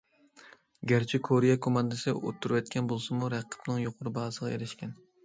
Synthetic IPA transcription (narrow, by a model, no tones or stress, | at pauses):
ɡʲæɾt͡ʃʰikʰoɾijɛkʰomɑnd̪ɨsɨo̰t̪ʰːuɾuwɛt̪̚kʲʰɛnbolˠsɨmuɾæqʰːə̥pnɨŋjoqʰʊɾɨbɑːzəʁɑḛɾɪʃkʲɛn